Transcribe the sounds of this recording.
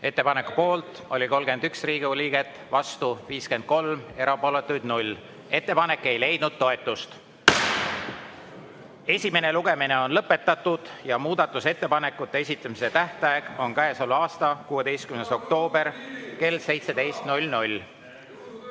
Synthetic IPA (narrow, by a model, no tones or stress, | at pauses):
e̞t̪ːe̞pɑne̞ku̥po̞ːlt̪ˑ | o̞lʲiko̞lɡe̞nd̪yksriːɡ̥iulʲiːɡ̥e̞t̪ːˑvɑst̪uviːske̞nd̪̚ko̞lme̞ɾɑpo̞ːlet̪ːˑujd̪nulʲ | e̞t̪ːe̞pɑne̞kːˑe̞jle̞jd̪̥̚nud̪̥̚t̪ːo̞e̞t̪ːˑust̪ | e̞sʲime̞ne̞luɡ̥e̞mine̞o̞nlɤpːe̞t̪ːˑɑt̪ːˑud̪̥jɑmuːd̪ɑt̪ːˑuse̞t̪ːe̞pɑne̞kːˑut̪ːe̞esʲit̪ːˑɑmise̞t̪æht̪ɑjeɡ̥o̞nkæesoluɑːst̪ɑkuːed̪e̞jst̪kymneso̞kt̪o̞ːbe̞rke̞lse̞jt̪sed̪e̞jst̪nulʲnulʲ